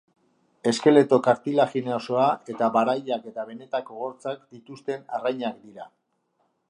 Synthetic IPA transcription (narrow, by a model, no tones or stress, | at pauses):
e̞ske̞le̞t̪o̞kaɾt̪ilaxineoso̞ae̞t̪aβaɾajake̞t̪aβe̞ne̞t̪akoɣo̞ɾt͡sakd̪it̪ust̪e̞narajɲakd̪iɾa